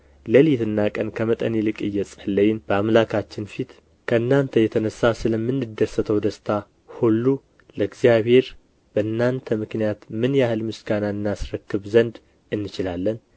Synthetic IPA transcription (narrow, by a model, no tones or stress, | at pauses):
ləlit̪ɨnːakʼənkʰəmət̪ʼənilɨkʼɨjːɛsʼəlːəjɪnb̥əamlakʰat͡ʃːɪnfit̪ | kʰəɨnːant̪ʰəjɛt̪ʰənəsːasɨləmːɨnːɨd̪ːəsːət̪ʰəwd̪əst̪ʰa | hulːu | ləɨɡzijaβhe̞ɾ | bəɨnːant̪ʰəmɨknijat̪mɨnjahɨlmɨsɡanaɨnːasɾəkːɨβzənd̪ | ɨnːɨt͡ʃɪlalːən